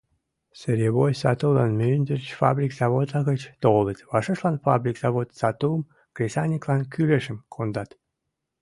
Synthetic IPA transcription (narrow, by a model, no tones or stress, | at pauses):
səɾʲeβojsɑt̪ulˠɑnmønʲd̪ərt͡ɕfɑ̰bɾʲikz̥ɑβod̪lɑɣət͡ɕt̪olˠət̪ʲvɑʃəʃlɑnfɑbɾʲikz̥ɑβot̪sɑt̪um | krʲesɑnʲiklˠɑnkʰyleʃəmkʰond̪ɑt̪